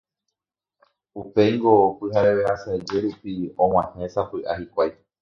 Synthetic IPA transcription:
upeŋɡo̞pɨɦaɾe̞βeasaed͡ʒe̞ɾupiõŋ̃ãhẽ̞sapɨʔahikʷaj

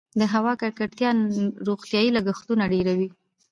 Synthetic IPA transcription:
d̪əɦawɑkaɾkaʈt̪jɑnɾoɣt̪jɑjilaɡaxt̪unaɖeɾawi

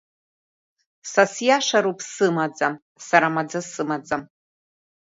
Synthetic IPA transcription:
sasjaʂaɾupʰsɨmad͡zam | saɾamad͡zasɨmad͡zam

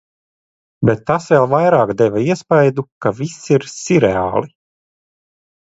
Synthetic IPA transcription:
bɛt̪ːasvɛlˠvajɾaːkd̪ɛvaiɛspajd̪ukavisiɾsiɾea̰ːlˠi

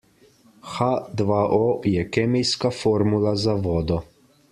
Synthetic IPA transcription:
xad̪ʋaʔɔjɛkɛːmijskafɔːɾmulazaʋɔːd̪ɔ

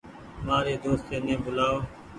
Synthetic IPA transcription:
maːɾeːd̪oːst̪eːnẽːbʊlaːoː

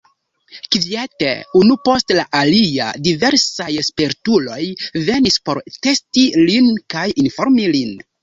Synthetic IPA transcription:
kvietḛunupo̞stlaʔalia̰dive̞ɾsajspeɾtulo̞jve̞nispo̞ɾte̞stilinkajinfo̞ɾmilin

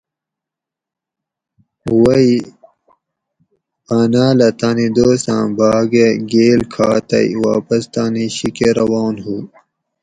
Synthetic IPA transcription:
wɐi | paːnaːlɐt̪aːnid̪oːsã̰ːbʱaːɡeɡeːlkʰaːt̪ɐ̰ḭwaːpɐst̪aːniɕikeɾɐwaːnɦuː

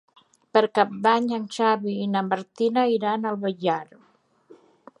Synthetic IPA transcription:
pəɾkap̚d̪aɲant͡ʃaβiːnamaɾt̪inaiɾanalˠβəʎaɾ

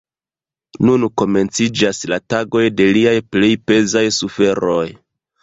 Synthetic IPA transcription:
nunko̞me̞nt͡sid͡ʒaslataɡo̞jde̞liajplejpe̞zajsufe̞ɾo̞j

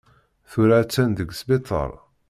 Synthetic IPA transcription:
θuɾat͡sːænd̪əɡsbit̪ˤə̰ɾˤ

